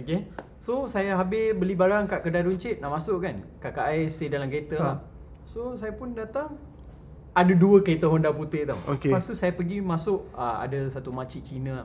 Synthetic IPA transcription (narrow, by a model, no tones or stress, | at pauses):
oke | sosajaɦabɪbəlibaɾaŋkaʔkədaɾuɲt͡ʃɪt̪̚naʔmasʊʔkankakaʔajst̪edalamkəet̪ə | sosajapʊndat̪aŋ | adaduəkəɾet̪aɦɔndaput̪ɪt̪awoepast̪usajapəɡimasʊʔəa̰dəsat̪umat͡ʃiʔt͡ʃinə